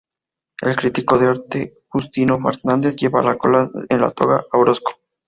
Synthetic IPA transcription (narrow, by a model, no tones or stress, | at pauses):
elkɾit̪ikoðeoɾt̪e | xust̪inofeɾt̪nand̪eθʝeβalako̰laenla̰t̪oɣa̰awɾosko̥